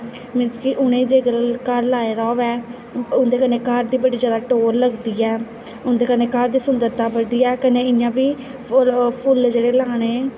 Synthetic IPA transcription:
mɪd͡ʒkɪʔʊɽ̃ẽːd͡ʒeːɡəlkəɾlaːeːɾɔːʋɛː | ʊnd̪eːkəneːkaɾd̪iːbəɽiːzjaːd̪aːʈoːɾləɡd̪iːɛː | ʊnd̪eːkəneːkaɾd̪iːsʊnd̪əɾt̪ãːbəɽd̪iːɛːkənẽːɪjãːbiː | pʰʊld͡ʒeːɽeːlaːɽ̃eː

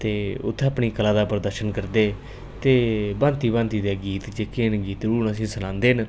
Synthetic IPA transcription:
t̪eːʊ̰t̪ʰːeəpɳiːkəlaːd̪aːpəɾd̪əɾʃənkəɾd̪eː | t̪eːbãːnt̪iːbãːnt̪iːd̪eːɡiːt̪d͡ʒeːkeːnɡiːt̪ɾuːnəs̬ĩːsənãːnd̪eːn

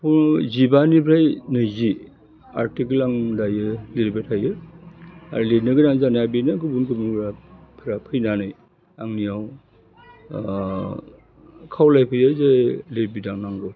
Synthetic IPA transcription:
pʰuzibanipʰɾajnɯjzi | a̰ɾtikelaŋdajɯliɾibetʰajɯ | a̰ɾlenɯɡɯnaŋzanaabinɯɡɯbunkɯmubɾapʰɾapʰɯjnanɯj | aŋnijaw | kʰawlajpʰɯjɯzaleɾbidaŋnaŋɡɯw

